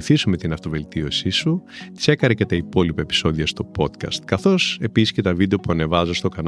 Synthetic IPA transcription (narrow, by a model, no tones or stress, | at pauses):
θisume̞t̪inɐft̪o̞ve̞lt̪iosisut̪i̥se̞kɐɾecet̪ɐipo̞lipɐepi̥so̞ðiɐst̪o̞po̞t̪kɐ̰st̪kɐθo̞se̞pisi̥sce̞t̪ɐvid̪e̞o̞puɐne̞vɐzost̪o̞kɐn